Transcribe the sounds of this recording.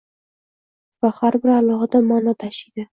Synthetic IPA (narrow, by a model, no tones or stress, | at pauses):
vahaɾbɪɾalˠɒɦad̪amanɒt̪ʰaʃid̪ɪ